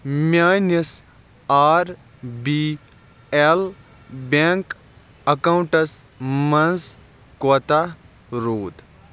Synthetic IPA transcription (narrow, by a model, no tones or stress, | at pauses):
mʲaːnɐs | aːɾ | bi | el | beːŋk | ɐkawɳʈɐs | mɐnz | koːt̪a | ɾoːt̪